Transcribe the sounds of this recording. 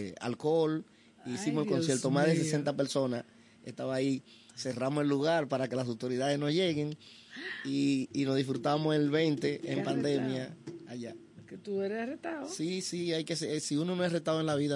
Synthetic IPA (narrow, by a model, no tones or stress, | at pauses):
a̰lko̞l | iːsimoselko̞nsjeɾt̪o̞mazðes̬ese̞nt̪ape̞ɾso̞nas | e̞̰ht̪aβaːi | se̞ramose̞lːuɣaɾpaɾake̞las̬awt̪o̞ɾiðaðe̞sno̞sʝe̞ɣe̞ŋ | iːno̞zðihfɾut̪aβmo̞selβe̞nt̪e̞ːmpand̪e̞mjaːʝa | ket̪ueɾeret̪aosisiajkesesiuno̞noeret̪aðoe̞nlaβiða